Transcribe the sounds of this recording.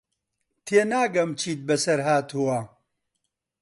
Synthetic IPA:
t̪ʰeːnaːɡɐmt͡ʃʰiːt̪̚bɐsɐɾɦaːt̪ʰuwɐ

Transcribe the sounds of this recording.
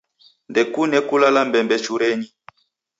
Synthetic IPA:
ndɛkunɛkulalambɛmbɛt͡ʃuɾɛɲi

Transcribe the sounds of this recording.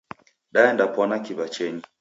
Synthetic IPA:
ɗaɛndapwɔnakiβat͡ʃɛɲi

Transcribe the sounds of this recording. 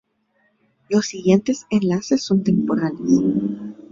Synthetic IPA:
lo̞sːiɣje̞nt̪e̞senlase̞sːo̞nt̪e̞mpo̞ɾanos

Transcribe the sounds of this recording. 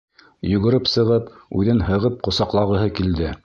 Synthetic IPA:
jɵ̆ɡɵ̆ɾɘpsɤ̆ʁɤpʉðɘnhɤ̆ʁɤp̚qŏsɑqlˠɑʁɤ̆ɦɤkild̪ɘ

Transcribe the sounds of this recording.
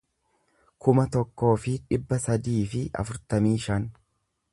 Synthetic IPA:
kʊmɐt̪ɔkːo̞ːfɪᶑɪbːɐsɐd̪iːfɪʔɐ̰fʊɾt̪ɐmiːʃɐn

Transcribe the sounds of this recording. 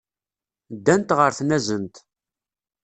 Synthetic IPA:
d̪ːænt̪ʁəɾθnæzənt̪

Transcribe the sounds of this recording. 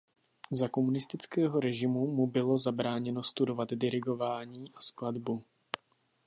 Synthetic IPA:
zako̞munɪst̪ɪt͡skɛːɦo̞ɾɛʒɪmumubɪlo̞zabɾaːɲɛno̞st̪udo̞vat̪dɪɾɪɡo̞vaːɲiːʔaskladbu

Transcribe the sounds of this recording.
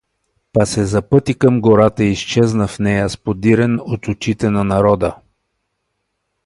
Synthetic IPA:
pasɛzɐpɤt̪ikəmɡoɾat̪əist͡ʃɛznəfnɛjɐspod̪iɾɛnot̪ʊt͡ʃit̪ɛnɐnɐɾɔd̪ə

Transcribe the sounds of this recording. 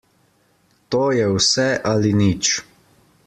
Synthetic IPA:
t̪oːjɛwsɛʔalinit͡ʃ

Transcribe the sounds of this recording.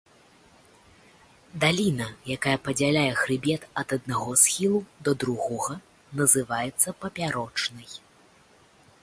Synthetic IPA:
d̪alʲinɐjakajɐpɐd͡zʲalʲajɛɣɾɨbʲɛt̪ɐd̪ɐd̪naɣɔsxʲilˠud̪ɐd̪ɾuɣɔɣɐ | nɐzɨvajɛt̪sːɐpɐpʲaɾɔt͡ʂnɨj

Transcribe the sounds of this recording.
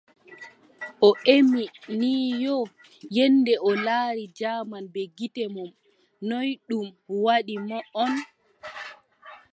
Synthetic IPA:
ʔɔʔeminiːjɔ | jɛndɛʔɔlaːɾid͡ʒaːmanbɛɡitɛmɔm | nɔjɗumwaɗimɔɔn

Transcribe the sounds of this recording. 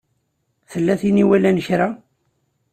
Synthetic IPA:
θəlːæθiniwælænəçɾa

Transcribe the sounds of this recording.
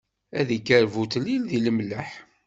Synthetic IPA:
æðikːəɾvut̪lːilðiləmlːəħ

